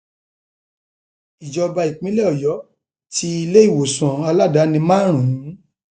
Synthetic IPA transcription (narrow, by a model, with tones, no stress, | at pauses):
i˨d͡ʒɔ˧ba˧i˨k͡pĩ˨˦lɛ˦ɔ˨jɔ˨˦ | ti˧i˧le˦i˦˨wo˨sɔ̃˨a˧la˦˨da˨˦nĩ˧mãː˦˨ɾ̃ũ˨˦